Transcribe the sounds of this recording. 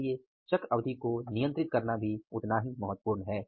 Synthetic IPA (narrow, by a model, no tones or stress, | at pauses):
ie | t͡ʃɐkɾɐʋd̪ʱikonijə̃nt̪ɾɪt̪̚kɐɾnabʱiʊt̪naɦimɐɦət̪ːpuːɾnɦɛː